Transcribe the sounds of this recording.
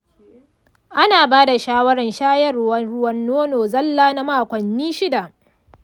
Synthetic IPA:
ʔa˦naː˨baː˦da˨ʃaː˦wɐ˦ɾɐ˨nʃaː˦jɐ˦˨rʊ˦wɐ˦nɽʊ˦wɐ˦nːoː˦noː˨zɐ˦lːaː˦na˦maː˦˨kʷɐ˨nːiː˦ʃɪ˦da˨

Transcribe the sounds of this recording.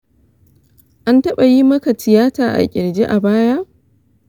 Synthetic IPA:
ʔa˦ntɐ˦ɓa˨ji˦mɐ˦ka˨tɪ˨jaː˦taː˨ʔa̰˨kʲʼɪ˨ɾd͡ʒe˦ʔa˨baː˦ja˦

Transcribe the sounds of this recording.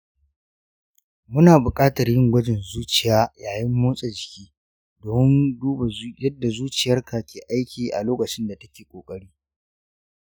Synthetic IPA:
mʊ˦naː˨bʊ˨kʼaː˦tɐ˨rjɪ˦ŋɡʷɐ˦d͡ʒɪ˨nzuː˦t͡ʃɪ˨jaː˦jaː˨jɪ˦mːoː˦sʼe˨d͡ʒɪ˨kʲiː˦ | doː˨mɪ˦nduː˦ba˨˦jɐ˦dːa˨zuː˦t͡ʃɪ˨jɐ˦rka˨kʲeː˨ʔa˦jkʲiː˨ʔa̰˨loː˦kɐ˨t͡ʃɪ˦nda˨tɐ˦kʲeː˨kʷʼoː˨kʼɐ˦ɽiː˦

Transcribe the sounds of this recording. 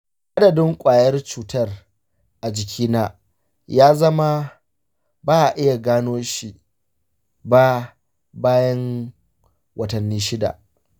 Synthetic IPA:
ʔa˦dɐ˨dɪ˦ŋkʷʼaː˨jɐ˦rt͡ʃuː˨tɐ˦r | ʔa˨d͡ʒɪ˨kʲʰiː˦naː˦ | jaː˦zɐ˦ma˦ | baː˦ʔa˨ʔɪ˦ja˨ɡaː˦noː˦ʃi˨ | baː˦ | baː˦jɐ˦ŋ | wɐ˨tɐ˨nːiː˦ʃɪ˦da̰˨ʔ

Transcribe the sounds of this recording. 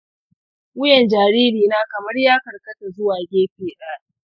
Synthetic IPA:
wʊ˦jɛ˨nd͡ʒaː˨ɾiː˦ɾiː˨naː˦kɐ˨mɐ˦rjaː˦kɐ˨rkɐ˦ta˨zʊ˦waː˨ɡʲeː˦ɸiː˦ʔaː˦

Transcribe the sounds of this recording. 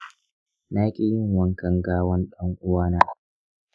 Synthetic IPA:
naː˦kʲe˨jɪ˦˨ŋwɐ˦ŋkɐ˨ŋɡaː˦wɐ˦nɗɐ˦ŋʔʊ˦waː˦naː˦

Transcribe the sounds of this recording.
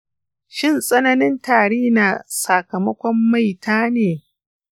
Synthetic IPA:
ʃɪ˦˨nsʼɐ˦nɐ˦nɪ˦ntaː˨ɽeː˦na˨sa˨kɐ˨mɐ˦kʷɔ˦mːa˦˨jtʰaː˦neː˨

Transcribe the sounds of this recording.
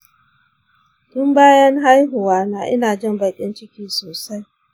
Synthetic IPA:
tʊ˦mbaː˦jɐ˦ŋɦa˦jɦʊ˨waː˦naː˦ʔɪ˦naː˨d͡ʒɪ˦˨mba˨kʲʼɪ˦nt͡ʃɪ˦kʲiː˦soː˨sa˦j

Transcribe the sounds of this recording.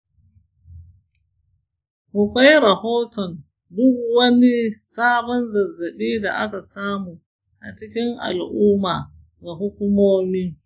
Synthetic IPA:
hʊ˨kʷa˦jɾɐ˨hoː˦tɔ˨n | dʊ˦kwɐ˦ni˦saː˦bɔ˦nzɐ˨zːɐ˨ɓiː˦da̰˨ʔa˦ka˨saː˦muː˨ | ʔa̰˨t͡ʃɪ˦kʲɪ˦ŋʔa̰˨lʔuː˦maː˨ | ɡa˨ɦʊ˦kʷʊ˦moː˦miː˦

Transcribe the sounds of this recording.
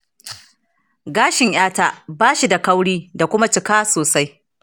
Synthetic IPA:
ɡaː˦ʃɪ˨ɲj̰aː˦ta˦ʔbaː˦ʃi˨da˨ka˦wɽiː˦da˨kʷʊ˦ma˦t͡ʃɪ˨kaː˦soː˨sa˦j

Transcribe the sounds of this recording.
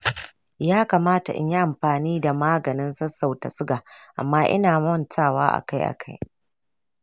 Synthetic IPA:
jaː˦kaː˨maː˦ta̰˨ʔɪ̰˦ɲja˦ʔa˨mɸaː˨niː˦da˨maː˦ɡɐ˨nɪ˦nsɐ˦sːa˨wta̰˨sʊ˦ɡaː˨ʔa̰˨mːaː˦ʔɪ̰˦naː˨mɔ˦ntaː˦˨wa̰ː˦ʔa̰˨ka˦jʔa̰˨kʰa˦j

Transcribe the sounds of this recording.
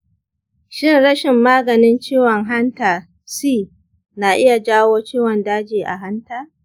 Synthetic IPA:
ʃɪ˦nɽɐ˦ʃɪ˨mːaː˦ɡɐ˨nɪ˦nt͡ʃiː˦wɔ˨ŋɦa˦ntaː˨ | siː˦˨ | na˨ʔɪ˦ja˨d͡ʒaː˦woː˦t͡ʃiː˦wɔ˨ndaː˦d͡ʒiː˨ʔa̰˨ɦa˦ntaː˦

